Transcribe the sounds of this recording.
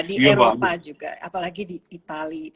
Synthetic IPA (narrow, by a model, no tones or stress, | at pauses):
dieɾaopad͡ʒuɡa̰a̰palaɡidiit̪ali